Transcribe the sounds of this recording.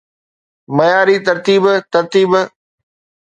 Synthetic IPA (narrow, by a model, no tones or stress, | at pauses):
mɐjaːɾit̪ɐɾt̪iːbt̪ɐɾt̪iːb